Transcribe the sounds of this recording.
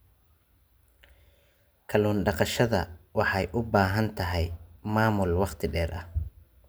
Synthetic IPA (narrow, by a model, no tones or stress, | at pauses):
kʰɐluːnɖɑqɑʃɐðɐ̰wɑħɑjʔʊbaːɦɐnt̪ʰɐɦɛjmaːmʊlwɑqt̪ʰɪɖɛːrʔɐh